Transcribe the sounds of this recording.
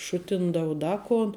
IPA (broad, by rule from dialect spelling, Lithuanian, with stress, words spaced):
ˈʃʊtʲɪndɐʊ ˈdɐ koːn